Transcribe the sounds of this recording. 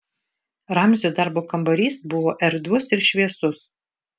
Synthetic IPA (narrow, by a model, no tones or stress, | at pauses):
ɾɑˑmʲzʲoːd̪ɑɾboːkɐmbɐɾʲiːsbʊʋoːʔɛɾd̪ʊsɪɾʃʲʋʲiɛsʊs